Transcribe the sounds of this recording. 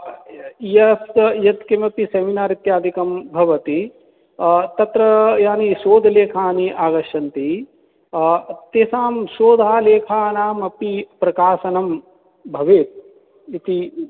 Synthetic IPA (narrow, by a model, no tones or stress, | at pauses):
jɐsjɐt̪kemɐpiseminaːɾit̪jaːd̪ʱikɐmbʱɐʋɐt̪i | t̪ɐt̪ɾɐjaːniʃoːd̪ʱɐleːkʰaːniʔaːɡɐʃɐnt̪i | t̪eːsaːmsoːd̪ʱaːleːkʰaːnaːmɐpipɾɐkaːsɐnɐm | bʱɐʋeːt̪̚ | it̪i